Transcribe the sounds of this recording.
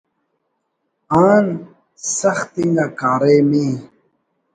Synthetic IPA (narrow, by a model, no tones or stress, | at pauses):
aːn | sɐxt̪iŋɡakaːɾemiː